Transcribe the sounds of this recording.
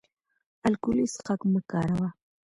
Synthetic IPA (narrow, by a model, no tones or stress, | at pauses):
alkʊlɪsqakməkaːɾawa